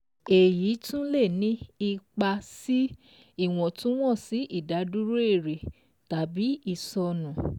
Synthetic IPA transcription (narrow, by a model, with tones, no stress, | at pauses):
e˨jiː˨˦tũ˦le˦˨nĩ˦i˧k͡pa˧si˦ | i˦˨w̃ɔ̃˨tũ˦w̃ɔ̃˦˨si˨˦ʔi˦˨da˨˦du˦ɾo˦e˦˨ɾe˨ | ta˨˦bi˨˦i˨sɔ˧nũ˨